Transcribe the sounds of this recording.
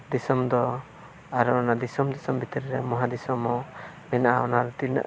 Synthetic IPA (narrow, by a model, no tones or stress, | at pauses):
d̪isɔmd̪ɔ | aɾɔɔnad̪isɔmd̪isɔmbit̪iɾɛɾɛmɔɦad̪isɔmɔ | mɛnaʔaɔnaɾɔt̪in̰